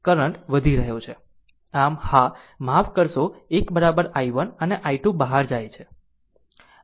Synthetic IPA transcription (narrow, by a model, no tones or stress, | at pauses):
kəɾəɳʈʋəd̪ʱiɾəɦjõt͡ʃʰe | amha | mafkəɾʃoekbəɾabəɾaiʋənəneʔaiʈubəɦaɾd͡ʒajt͡ʃʰe